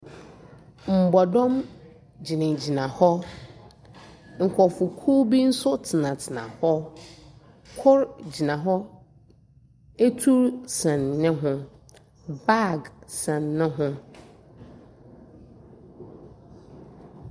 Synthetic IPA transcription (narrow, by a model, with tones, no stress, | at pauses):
m̩˨bɔ˨dɔ̃˦m | d͡ʑi˨nɪ̃˨d͡ʑi˨nã˨hɔ˦ | ŋ̩˨kʰɔ˨fʊ˨kʰu˦bi˦n̩˦sʊ˦tʰɪ˨nã˨tʰɪ˨nã̰˨hɔ˦ | kʰʊ˦ɾd͡ʑi˨nã˨ɦɔ˦ | e˦tʰu˦ɾsɛ̃˨nːɪ̃˦ɦʊ̃˦ | ba˦˨ɡsɛ̃˨nːɪ̃˦ɦʊ̃˦